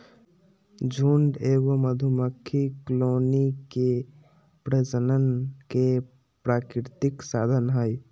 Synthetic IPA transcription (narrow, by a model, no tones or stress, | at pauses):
d͡ʒʱuːɳɖeːɡəməd̪ʱuməkʰːikloːnike | pɾəd͡ʒənənke | pɾaːkɾɾɪt̪ɪksaːd̪ʱənɦəj